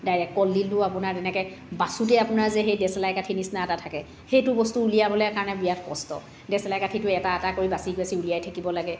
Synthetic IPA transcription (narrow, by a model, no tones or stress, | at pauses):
dajɹɛkːɔlːiltʊapʊnaɹdɛnɛkɛbasutɛapʊnaɹzɛxejdɛsɛlajkatʰinisnaɛtatʰakɛ | xejtʊbɔstuulijabɔlɛjakaɹɔnɛbijatpɔ̰stɔ̰ | dɛsɛlajkatʰitʊɛtaɛtakoɹibasikbasiulijajtʰakibɔlaɡɛ